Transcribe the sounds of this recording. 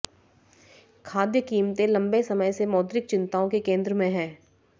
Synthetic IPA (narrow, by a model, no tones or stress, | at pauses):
kʰaːd̪jəkiːmt̪ẽlɐ̃mbesɐməjsemɔːd̪ɾɪk̚t͡ʃɪ̃nt̪aːõkekẽːnd̪ɾəmẽɦɛ̃ː